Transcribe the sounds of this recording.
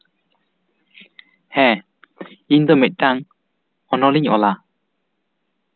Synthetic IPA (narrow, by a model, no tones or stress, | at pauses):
hɛ̃ | ind̪ɔmit̪̚ˀɖaŋ | ɔnɔliɲɔ̰la